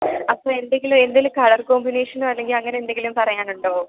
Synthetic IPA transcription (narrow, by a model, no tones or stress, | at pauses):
ɐpːoːe̞nd̪eŋɡilume̞nd̪ilukɐːɭɐrkoːmbineːʂɐnuɐlːe̞ŋɡilɐŋːɐneend̪e̞ŋɡilumpɐrɐjaːnuɳɖoː